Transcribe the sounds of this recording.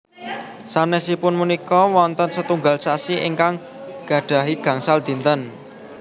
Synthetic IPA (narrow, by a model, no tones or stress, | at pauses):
sanɛsipʊnmunikɔwɔnt̪ənsət̪uŋɡalsasiʔḭŋkaŋ | ɡ̥ä̤ɖ̥ä̤ɦiɡ̥ä̤ŋsald̪̥i̤nt̪ən